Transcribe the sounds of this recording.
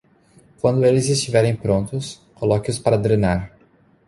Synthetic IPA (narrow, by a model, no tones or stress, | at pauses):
kwɐ̃nd̪ʊelɪzɪst͡ʃivɛɾẽj̃pɾõnt̪ʊs | kolɔkɪʊspaɾɐd̪ɾenaɾ